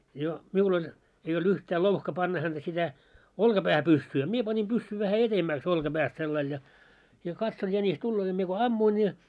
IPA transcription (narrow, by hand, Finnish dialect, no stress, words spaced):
jo miul olʲ ei old̥ yhtæ louhkɑ pɑnːɑ hænd̥æ sʲitæ olkɑpæhæ pysːyː ɑ mie pɑni pysːy ʋæhæ etemːæks olkɑæpæst selːɑil jɑ jɑ kɑtson jænis tulːoː jɑ mie ko ɑmːuin jɑ